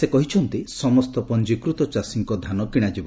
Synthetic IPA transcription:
sekɔɦit͡ʃʰɔnt̪isɔmɔst̪ɔpɔnd͡ʒikɾut̪ɔt͡ʃasiŋkɔd̪ʱanɔkiɽ̃ad͡ʒibɔ

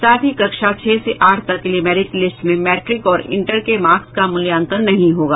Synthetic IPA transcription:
saːt̪ʰikɐkʃat͡ʃʰeːseʔaːʈʰsɐkɪliːmɛːɾɪklɪsʈmẽmɛːʈɾɪkɔːɾɪ̰̃ɳʈəɾkemaːkskamʊljãːnt̪ənːɐɦĩɦoːɡaː

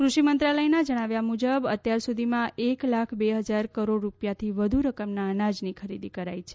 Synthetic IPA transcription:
kɾuʃimənt̪ɾaləjnad͡ʒəɽ̃aʋjamud͡ʒəbə̰t̪jaɾsud̪ʱimãʔeklakʰbeɦəd͡ʒaɾkəɾoɽɾupjat̪ʰiʋəd̪ʱuɾəkəmnaənad͡ʒnikʰəɾid̪ikəɾa̰jt͡ʃʰe̥

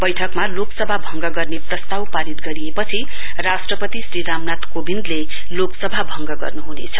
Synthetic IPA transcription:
bʌjʈʰʌkmaloksʌbʱabʱʌŋɡʌɡʌrneprʌst̪awpaɾit̪ɡʌɾiepʌt͡sʰi | rasʈrʌpʌt̪isriɾamnat̪kobind̪le | loksʌbʱabʱʌŋɡʌɡʌ̰rnuɦunḛt͡sʰʌ

